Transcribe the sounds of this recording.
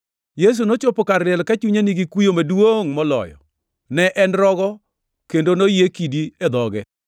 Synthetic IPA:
jes̬unot͡ʃopokaɾɪɛlkat͡ʃuɲeniɡikujomadwoŋmɔlɔ̰jɔ̰ | nɛʔɛnɾɔɡɔ | kendonojekidied̪ɔɡɛ

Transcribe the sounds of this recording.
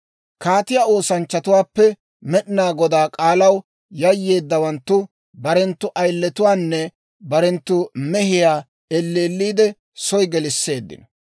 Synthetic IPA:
kaːt̪ɪjaːo̞ːsɐnt͡ʃːɐt̪ʊwaːpːɛ | mɛɗɪnaːɡɔd̪aːkʼaːlɐw | jɐjːe̞ːd̪ːɐwɐnt̪ːʊ | bɐɾɛnt̪ːʊʔɐjlːɛt̪ʊwaːnːɛ | bɐɾɛnt̪ːʊmɛhɪjaː | ɛlːeːlːiːd̪ɛ | sɔjɡɛlɪsːe̞ːd̪ːɪ̰nɐ

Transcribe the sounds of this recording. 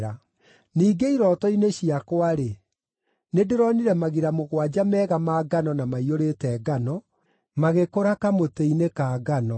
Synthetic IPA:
ɾa | niːɡeiɾɔtɔineɕiakwaɾe | nedeɾɔniɾɛmaɣiɾamoɣwad͡ʑamɛːɣamaːɡanɔnamaioɾetɛːɡanɔ | maɣekoɾakamoteinekaːɡanɔ

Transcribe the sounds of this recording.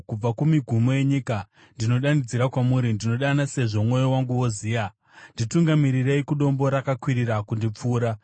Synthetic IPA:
kub͡vakumiɡʱumo̞je̞ɲika | ndino̞ɗanid͡ziɾakwamuɾindino̞ɗanase̞ʐo̞mwo̞jowaŋɡuwo̞ziːja | ndituŋɡamiɾireikuɗo̞mbo̞ɾakakwiɾirakundip͡fuːɾa

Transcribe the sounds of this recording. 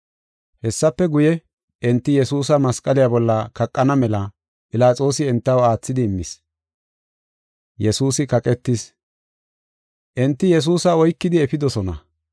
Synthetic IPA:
hɛsːɐpːɛɡʊjɛ | ʔɪnt̪ːɪjɛsuːsɐmɐskʼɐlɪjabɔlːɐkɐkʼːɐnɐmɛlɐ | pʼɪlaːt͡sʼo̞ːsɪɛnt̪ːɐwaːt͡sːɪd̪ɪːmːɪs | jɛsuːsɪkɐkʼɛt̪ːɪs | ʔɛnt̪ːɪjɛs̬uːsɐɔjkːɪd̪ɪɛfɪd̪ɔsɔnɐ̰

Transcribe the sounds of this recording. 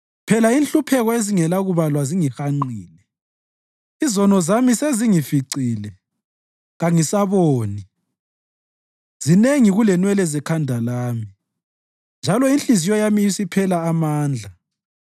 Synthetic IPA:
pʰɛlainɬʼupʰɛɣɔeziŋɛlaɣuβalwaziŋixaŋ͡ǃiːnɛ | izɔnɔzamiseziŋifiǀiːlɛ | ɣaŋisaβoːni | z̥ineŋiɣulɛnwɛlɛzɛkʰandʱalaːmi | nd͡ʒʱalɔinɬizijɔjamiisipʰɛlaːmaːnd͡ɮʱa

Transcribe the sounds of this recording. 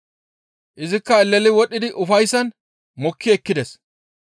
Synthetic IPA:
ʔɪzɪkːɐɛlːɛlɪwɔɗːɪd̪ɪʔʊfɐjsːɐn | mɔkːɪɛkːɪd̪ɛs

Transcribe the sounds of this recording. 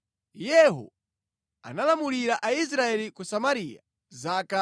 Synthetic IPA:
jɛɦɔ̰ | a̰nalamuliɾaʔais̬ɾaɛlikusamaɾia̰ | zaːka

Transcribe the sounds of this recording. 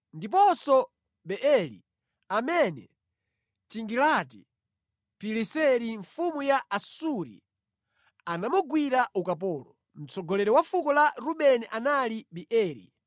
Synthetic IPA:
ndip̬ɔsɔ | ɓɛʔɛlḭ | amɛnɛ̰ | tiŋɡilati | pilisɛɾiɱfumujaʔasuɾḭ | anamuɡwiɾaʔukapɔːlɔ | m̩t͡sɔɡɔlɛɾɛwafukɔlaɾuɓɛniʔanaliɓiʔɛːɾḭ

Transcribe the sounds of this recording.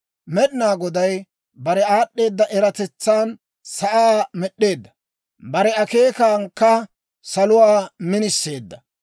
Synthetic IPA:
mɛɗɪnaːɡɔd̪ɐj | bɐɾɛaːɗːe̞ːd̪ːɐʔɛɾɐt̪ɛt͡sːaːn | sɐʔaːmɛɗːe̞ːd̪ːɐ̥ | bɐɾɛɐke̞ːkaːŋkːɐ | sɐlʊwaːmɪnɪsːe̞ːd̪ːɐ

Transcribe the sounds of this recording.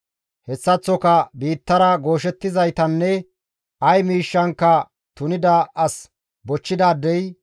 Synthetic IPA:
hɛsːɐt͡sːɔkɐbiːt̪ːɐɾɐɡo̞ːʃ̬ɛt̪ːɪzɐjt̪ɐnːɛ | ɐjmiːʃːɐŋkːɐ | t̪ʊnɪd̪ɐɐs | bɔt͡ʃːɪd̪aːd̪ːɛj

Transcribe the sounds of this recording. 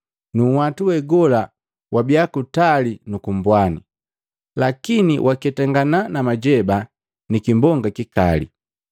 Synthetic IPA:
nuŋwatuwɛɡɔla | wabiakutalinukumbwani | lakinḭwʔakɛtaŋɡananamaɟɛba | nikimbɔŋɡakikalḭ

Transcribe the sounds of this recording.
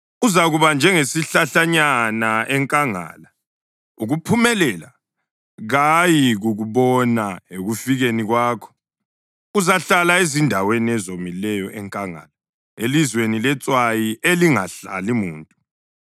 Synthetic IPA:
uzaɣuβand͡ʒʱɛŋesiɬaɬaɲanaʔɛŋkʼaŋa̰ːla | uɣupʰumɛlɛla̰ | ɣajiɣuɣuβɔnaeɣufiɣeniɣwaːkʰɔ̥ | uzaɬalaezindʱaweniɛzomilɛjɔʔɛŋkʼaŋa̰la | elizwenilɛt͡sʼwajieliŋa̰ɬa̰limuːntʼu

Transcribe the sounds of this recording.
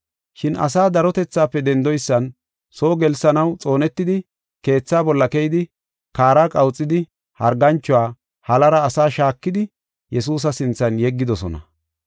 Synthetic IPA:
ʃɪnɐ̰s̬aːd̪ɐɾɔt̪ɛt͡sːaːpːɛd̪ɛnd̪ɔjsːɐn | so̞ːɡɛlsɐnɐwt͡sʼo̞ːnɛt̪ːɪd̪ɪ | ke̞ːt͡sːaːbɔlːɐkɛjɪd̪ɪ | kaːɾakʼɐwt͡sʼːɪd̪ɪ | hɐɾɡɐnt͡ʃːɔaː | hɐlɐɾɐːsaːʃaːkːɪd̪ɪ | jɛsuːs̬ɐsɪnt͡sːɐnjɛɡːɪd̪ɔsɔnɐ̰

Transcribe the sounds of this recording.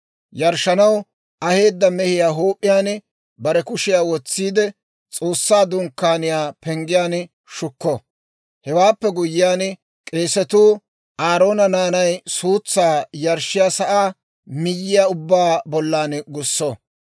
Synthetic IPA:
jɐɾʃɐnɐw | ʔɐhe̞ːd̪ːɐmɛhɪjaːɦoːpʼːɪjaːn | bɐɾɛkʊʃɪjaːwɔt͡sːiːd̪ɛ | t͡sʼo̞ːsːaːd̪ʊŋkːaːnɪjaːpɛŋɡɪjaːn | ʃʊkːɔ | hɛwaːpːɛɡʊjːɪjaːn | kʼeːsɛt̪uː | ʔaːɾo̞ːnɐnaːnɐjsuːt͡sːaːjɐɾʃːɪjaːsɐʔaː | mɪjːɪjaːʊbːaːbɔlːaːnɡʊsːɔ

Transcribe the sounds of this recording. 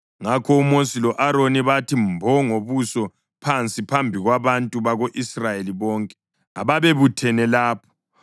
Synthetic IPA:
ŋakʰɔumosilɔʔaɾoniβatʰimbʱɔŋoβusɔ | pʰant͡sʼipʰambʱiɣwaβantʼuβaɣoʔisrajeliβɔːŋkʼɛ̥ | a̰βaβeβutʰɛnɛlaːpʰɔ̥

